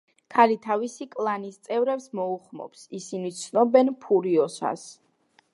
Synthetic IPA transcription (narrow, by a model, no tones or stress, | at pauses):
kʰalit̪ʰavisikʼlˠanist̪sʼɛvɾɛpsmɔuχmɔ̰psisinit̪sʰnɔbɛnpʰuɾiɔsa̰s